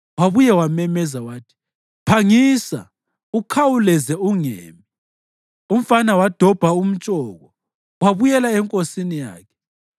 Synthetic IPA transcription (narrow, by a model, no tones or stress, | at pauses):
waβujɛwamɛmɛzawaːtʰi̥ | pʰaŋiːsa̰ | ukʰawulɛzɛuŋḛːmi | um̩fanawad̥ʱɔb̥ʱaum̩t͡ʃʼɔːɣɔ | waβujɛlaɛŋkʼosinija̰ːkʰɛ̥